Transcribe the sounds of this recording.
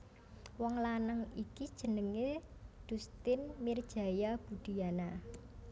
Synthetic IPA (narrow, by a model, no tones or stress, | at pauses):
wɔŋlanəŋikid̥ʒ̥ə̤nəŋed̪̥ṳst̪ɪnmird̥ʒ̥a̤jab̥ṳd̪̥i̤ana